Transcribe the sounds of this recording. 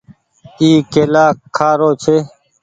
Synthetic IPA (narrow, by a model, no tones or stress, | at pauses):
iːkeːlaːkʰːaːɾoːt͡ʃʰeː